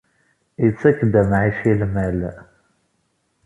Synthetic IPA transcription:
jət͡sːækːd̪æmʕiʃilmæl

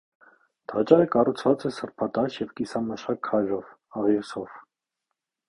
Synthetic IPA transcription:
t̪ʰɑt͡ʃɑɾəkɑrut͡sʰvɑt͡sɛsəɾpʰɑt̪ɑʃjɛvkisɑməʃɑkʰːɑjɾɔv | ɑʁisɔv̥

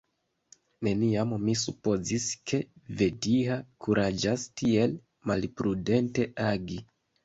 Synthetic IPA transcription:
ne̞niammisupo̞ziskʰe̞ve̞diakuɾad͡ʒastie̞l | malpɾude̞nte̞aɡi

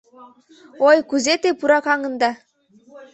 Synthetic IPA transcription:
ojkuzet̪epuɾɑkɑŋɤ̆nd̪ɑ

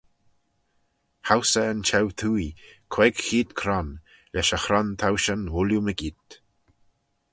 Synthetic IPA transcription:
hawsəːnt͡ʃʰɛwt̪ʰuːikʰwɛɡxiːd̪kʰɾɔn | lɛʃəxɾɔnt̪ʰawʃənwʊljuməɡiːt̪

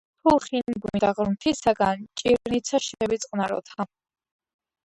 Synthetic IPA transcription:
tʰuχinmbunid̪aʁɾmt̪ʰisaɡant͡ʃʼiɾnit̪sʰaʃiɛbit̪sʼqʼnaɾɔ̰t̪ʰa

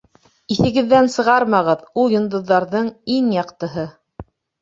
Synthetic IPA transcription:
iθɘ̆ɡɘ̆ðːænsɤ̆ʁɑɾmɑʁɤðulˠjŏnd̪ŏðːɑɾðɤɴiŋjɑqt̪ɤ̆ɦɤ

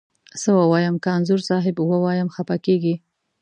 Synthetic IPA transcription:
səwəwɑjəmkəanzʊɾsɑɦɪbwəwɑjəmxapakeɡi

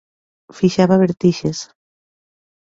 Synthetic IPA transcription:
fiʃaβaβeɾt̪iʃes

